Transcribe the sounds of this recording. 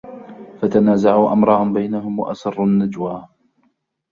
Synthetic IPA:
fat̪anaːzaʕuːʔamɾˤɑːʔnbajnaɦʊmwa̰ʔa̰sɑrˤːʊnːad͡ʒwaː

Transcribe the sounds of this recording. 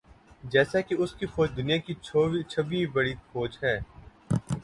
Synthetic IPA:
d͡ʒɛːsakeʊskifoːd͡ʒd̪ʊnijakiit͡ʃʰɐʋĩbɐɽifoːd͡ʒɦɛː

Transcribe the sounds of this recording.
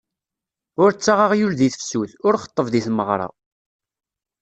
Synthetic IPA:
ʊɾt͡sːaʁaʁjulðiθəfsuθʊɾχə̥t̪ˤːəvðiθməʁɾˤɑ̰

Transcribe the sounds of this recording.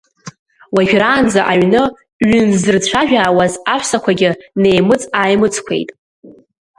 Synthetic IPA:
waʒᶣɾaːnd͡zaʔaɥnɨ | ɥʏnzɨrt͡ɕʷʰaʒᶣaːwazaħʷʰsakʷʰaɡʲɪne̞jmɨt͡sʼaːjmɨt͡sʰkʷʰe̞̰jtʼ

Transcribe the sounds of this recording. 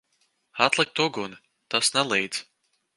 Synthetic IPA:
at̪lˠɨk̚t̪uɡun | t̪asnɛlˠijd̪z̥

